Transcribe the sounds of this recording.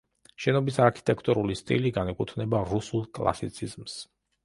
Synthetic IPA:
ʃɛnɔbisaɾkʰi̥t̪ʼɛkʰt̪ʼuɾulist̪ʼḭliɡanɛkʼut̪ʰnɛbaɾusulˠkʼlˠa̰sit̪sʰizms

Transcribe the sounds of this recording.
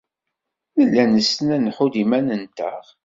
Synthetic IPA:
nəlːænəsənænħud̪imænənt̪ə̰ʁ

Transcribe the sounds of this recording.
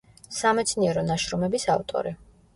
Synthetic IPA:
samɛt̪sʰniɛɾɔnaʃɾɔmɛbisavt̪ʼɔ̰ɾi

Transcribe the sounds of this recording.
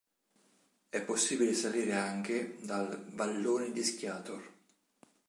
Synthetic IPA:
ɛpːosːiːbilesaliːɾeaŋk̟ɪd̪alvalːoːned̪iskjaːt̪or

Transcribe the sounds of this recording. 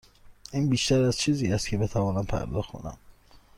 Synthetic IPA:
ʔiːnbiːʃt̪æɾæzt͡ʃʰiːziːæst̪̚cʰebe̞t̪ʰævɒːnæmpʰæ̰ɾd̪ɒ̰ːxo̰næ̰m

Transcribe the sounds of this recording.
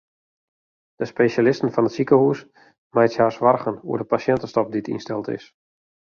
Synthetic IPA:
d̥əspejʃalɪstən̩fɔnətsikəhus | majtjaːsʋarɣənṵərdəpasjɛntəstɔp̚ditʰḭnstɛlˠtɪ̰s

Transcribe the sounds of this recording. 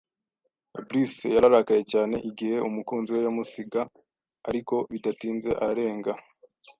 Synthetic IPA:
abɾisejaɾaɾakaje̞caːne̞̰ʔiɡihe̞ʔumukuːnziwe̞jomusiɡa | aɾiko̞βitatiːnze̞ʔaɾe̞ːŋɡa

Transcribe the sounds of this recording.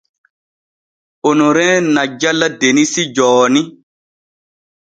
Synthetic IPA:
onoɾɛ̃ːnad͡ʒalːadenisid͡ʒɔːni

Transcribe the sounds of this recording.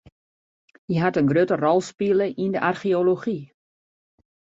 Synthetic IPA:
jəɦatənɡrøtərɔlˠspiləʔindəʔarχioloχi

